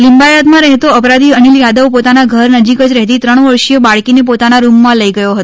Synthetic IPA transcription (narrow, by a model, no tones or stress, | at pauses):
limbajat̪mãɾəɦet̪oəpɾad̪iəniljad̪əʋpot̪anaɡʱəɾnəd͡ʒikəd͡ʒɾəɦet̪it̪ɾəɳ̃ʋəɾʃijəbaɭkinepot̪anaɾumːãləiɡəjoɦət̪oo